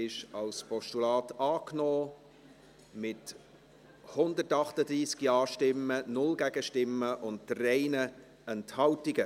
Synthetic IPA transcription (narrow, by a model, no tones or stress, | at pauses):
ɪʃɑlspʰɔʃtulɑːtɑːknɔː | mɪt | hʊnd̪ətɑχtəd̪ɾiːskiɑːʃtɪmːənʊlɡæɡ̥əʃtɪmːəʔʊntrɛɪnə | ɛnthɑltiɡə